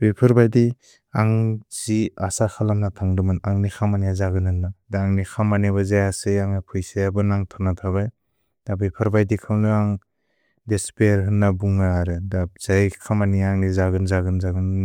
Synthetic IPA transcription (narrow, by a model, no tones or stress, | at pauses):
bepʰɯɾbajdi | aŋz̥iasakʰalamnatʰaŋdɯmɯnaŋnikʰamanijazaɡɯnhɯnːadaːŋnikʰamaniβɯzajasɯjaŋnapʰɯjsajabɯnaŋtʰɔnatʰaβaj | d̥abepʰɯɾbajdikʰamlɯaŋ | despejɾɦɯnːabuŋaaɾɯdaz̥ajkʰamaniaŋnizaɡɯnzaɡɯnzaɡɯn